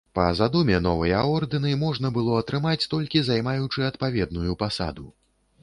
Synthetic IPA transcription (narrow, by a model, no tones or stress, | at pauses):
pɐ̰zad̪umʲɛnɔvɐjɐɔrd̪ɨnɨmɔʐnɐbɨlˠɔɐt̪ɾɨmat͡sʲt̪ɔlʲkʲizajmajut͡ʂɨɐt̪pavʲɛd̪̚nujupasa̰d̪u